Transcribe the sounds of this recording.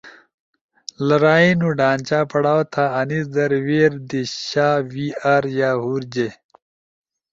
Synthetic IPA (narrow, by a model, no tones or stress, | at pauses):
lɐɾaːinuɖaːnt͡ɕaːpɐɽaːwt̪ʰaːnisd̪ɐɾweːɾd̪iɕaːwiːaːɾjaːɦuːɾd͡ʑe